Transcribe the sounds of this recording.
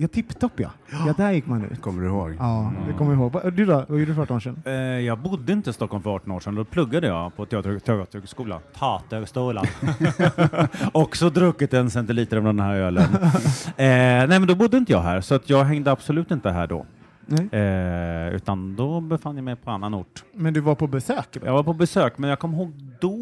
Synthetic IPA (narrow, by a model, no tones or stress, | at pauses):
jɑt̪ʰɪpːt̪ɔpːja̰ | ɑd̪æɾjɪkːmanːʉ̰ːkʰɔmːəɖɵhoːɡɑːd̪ɛkʰɔmːəjɪɦoːɡad̪ʉd̪ɔjɛɖʉfaʈːmaʃɛnːjɑːɡ̚bʊd̪ːəɪnt̪əɪst̪ɔkʰːɔlmfœɾɑːʈːɔnoːʂɛnd̪ɔpʰlɵɡːad̪əjɑ̰ːpʰɔt̪ʰɛɑːt̪t̪ʰɛɑt̪əskuːla̰nt̪ʰɑːt̪ʰəɡst̪uːla | ɔksɔd̪ɾɵkːɪt̪ɛnsɛnt̪ɪliːt̪əɾmɔnd̪ɛnɦæːɾøːlən | nɛɪmɛnd̪ɔbʊd̪ːəɪnt̪əjɑ̰ːɡɦæ̰ːɾsɔat̪ʰjɑːɡɦɛŋd̪əabsɔlʉ̟ːt̪ɪnt̪əɦæ̰ːɖɔ̰ | ʉ̟̰ːt̪and̪ɔbɛfanːjamɛjpʰɔanːanʊʈːmɛnd̪ɵvaɾpʰɔbɛsøːkjʔɑ̰ɡvaɾpʰɔbɛsøːkmɛnjɑːkʰɔmːɦoːɡ̚d̪ɔ